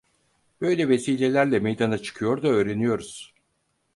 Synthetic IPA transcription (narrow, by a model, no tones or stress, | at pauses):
bø̞jlʲɛve̞siːlʲe̞lʲæɾlʲɛmejd̪anat͡ʃʰɯ̥kʰɯjo̞ɾd̪aøːɾe̞nijo̞ɾuz̥